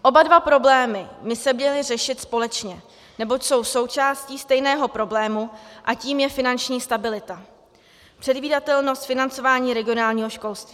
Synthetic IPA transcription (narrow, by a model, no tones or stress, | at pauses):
ʔo̞badvapɾo̞blɛːmɪmɪsɛmɲɛlɪrɛʃɪt̪spo̞lɛt͡ʃɲɛ | nɛbo̞cso̞wso̞wt͡ʃaːsciːst̪ɛjnɛːɦo̞pɾo̞blɛːmuʔaciːmjɛfɪnant͡ʃɲiːst̪abɪlɪt̪a | pr̥ɛdviːdat̪ɛlno̞st̪fɪnant͡so̞vaːɲiːɾɛɡɪo̞naːlɲiːɦoʃko̞lst̪viː